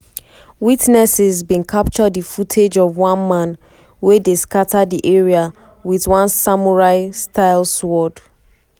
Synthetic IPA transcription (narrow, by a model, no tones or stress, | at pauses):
witnɛsɪzbĩnkʰap̚t͡ʃɔdðəfutʰed͡ʒɔvwãnmãn | wedeskatʰadiʔeɹia | wiðwãnsamɔɹaɪstʰaɪlˠswɔd̥